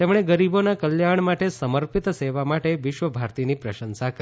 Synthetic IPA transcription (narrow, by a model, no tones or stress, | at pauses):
t̪emɳ̃eɡəɾibonakəljaɳ̃maʈesəməɾpit̪seʋamaʈeʋɪʃʋəbʱaɾt̪inipɾəʃənsakə